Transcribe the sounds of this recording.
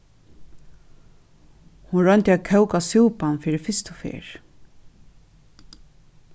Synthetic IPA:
hʊnɾœnt̪ɪaðkʰɛwkasɪwpanfiːɾɪfɪst̪ʊfḛːɹ

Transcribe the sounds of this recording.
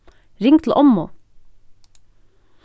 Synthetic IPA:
ɾɪŋt̪ʰl̩ʔɔmːoː

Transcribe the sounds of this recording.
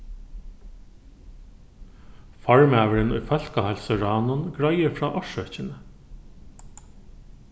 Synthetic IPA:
faɹmæːʋəɾɪnʊ̰jfœl̥kahɛlsəɾɑːnʊnɡɹajəɾfɹɑːʔɔʃœht͡ɕɪnə

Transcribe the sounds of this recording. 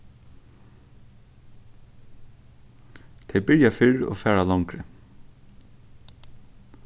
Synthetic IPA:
t̪ʰɛjbɪɹjafɪɹo̰ːfæːɹalaŋkɾə

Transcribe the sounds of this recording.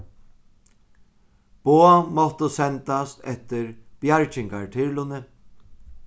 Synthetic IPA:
b̥oːamɔht̪əsɛnt̪ast̪ɛht̪ɪɾb̥jaɹt͡ʃɪŋkaɹt̪ʰɪɹlʊnɪ

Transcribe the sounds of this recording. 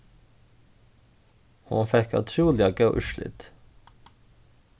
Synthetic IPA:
hʊ̰nfɛkʉ̰t̪ʰɾuːlɪɑɡəːʔʉʃlɪ̰t̪

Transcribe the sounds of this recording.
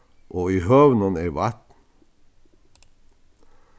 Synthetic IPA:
ʔoːiːhœʋnəneːʋat̪n̩

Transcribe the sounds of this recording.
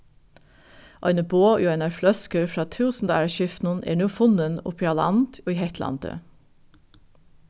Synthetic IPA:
ʔɑʏnəboːjoːɛnɑflœskəɾfɾɑːt̪ʰʉːsn̩d̪æːɹʃʏft̪nʊnḛːɳuːfʊnənʊ̰pʰiɑlɑ̰nt̪ʰoːiːhɛt̪lɑ̰nt̪ʰə̰

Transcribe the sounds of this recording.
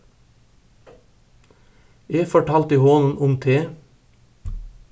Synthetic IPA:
eːfɔʈʰɑːlt̪iːhoːnn̩ʔʊmt̪ʰeː

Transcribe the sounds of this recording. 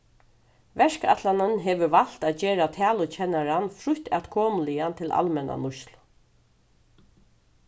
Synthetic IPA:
ʋɛʂka̰t̪lanənɦɛːʋəʋal̥t̪aːt̪̚d͡ʑeːɾat̪ʰæːlʊt͡ɕʰɛnaɾanfɾʊht̪a̰t̪kʰoːmlɪant̪ʰɪla̰lmɛnʔa̰nʊʃl

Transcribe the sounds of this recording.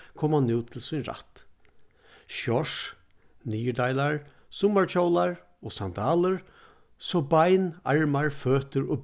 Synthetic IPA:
kʰɔːmanɪwt̪ʰɪlsʊnɾa̰t̪ | ʃɔʂ | niːjəd̪ajlaɹ | sʊmaɹt͡ʃʰɔwlaɹ | ɔːsand̪aːləɹ | sɔbajna̰ɹmaɹføːt̪əɹɔ̰b

